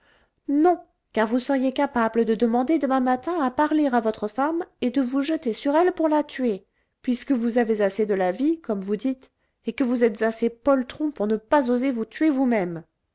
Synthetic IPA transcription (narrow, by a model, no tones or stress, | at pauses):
nɔ̃ | kaʁvusəʁjekapabləd̪əd̪əmɑ̃d̪ed̪əmɛ̃mat̪ɛ̃apaʁleʁavɔt̪χəfamed̪əvuʒət̪esyʁɛlpuʁlat̪ɥe | pɥiskəvuzavezased̪əlavikɔmvud̪it̪ | ekəvuzɛt̪zasepɔlt̪χɔ̃puʁnəpazozevut̪ɥevumɛm